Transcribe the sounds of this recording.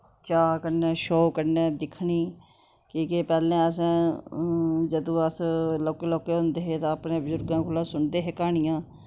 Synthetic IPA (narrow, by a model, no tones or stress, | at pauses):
t͡ʃaːkəɾneːʃoːkəɾneːd̪ɪkʰːɳiː | kiːkepɛːlẽːəs̬ɛ̃ː | d͡ʒəd̪õːəsloːkeːloːkeːɦõːnd̪eːɦeːt̪ãːəpɳẽːbəzʊɾɡãːkʰoːlaːsʊɳd̪eːɦeːkaːɳɪjãː